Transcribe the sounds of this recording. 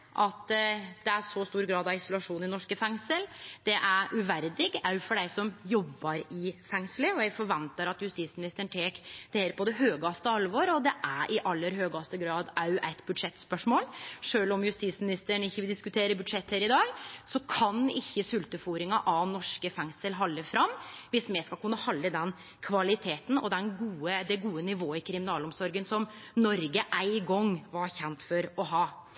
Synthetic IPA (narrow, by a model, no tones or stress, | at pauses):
ʔɑt̪d̪̥ɛæʂɔst̪uːɾɡɾɑːd̪ɑɪsʊlɑʂuːnɪnɔʂkəfɛŋsəld̪̥ɛʔæɾʔʉʋæɾd̪ɪɡɑʉfɔɖæɪsɔmjɔbːɑɾɪfɛŋsləɔjæɡfɔɾʋɛnt̪ɑɾɑt̪jʉst̪iːt̪smɪnɪst̪əəɳ̩t̪ʰeːkd̪̥ɛheːɾpʰɔd̪ɛɦøːɡɑst̪əɑlʋɔɾɔd̪ɛʔæʔɪʔɑlːəɾɦøːɡɑst̪əɡɾɑːd̪ɑʉʔæɪt̪bʉd̪ʂɛt̪ːspœʂmoːlʂøːlɔmjʉst̪iːsmɪnɪst̪əɳɪçːəʋɪld̪ɪskʉt̪ʰeːɾəbʉd̪ʂɛt̪ʰːheːɾɪd̪ɑːɡsɔkʰɑnɪçːəsʉlt̪əfuːɾɪŋɑʔɑnɔʂkəfɛŋsəlɦɑlːəfɾɑmːʋɪsmɛskɑlkʉnːɑhɑlːəd̪ɛn | kʰʋɑlɪt̪ʰeːt̪n̩ɔ̰d̪ɛnɡuːəd̪ɛɡuːənɪʋoːəɪkʰɾɪmɪnɑːlɔmsɔɾɡənsɔmnɔɾɡəʔæɪɡɔŋʋɑɾçɛnt̪fɔɾɔɦɑː